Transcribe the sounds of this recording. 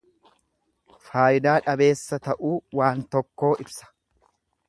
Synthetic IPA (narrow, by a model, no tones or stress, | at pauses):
faːjɪd̪aːᶑɐbe̞ːsːɐt̪ɐʔuːwaːnt̪ɔkːo̞ːʔɪbsɐ̥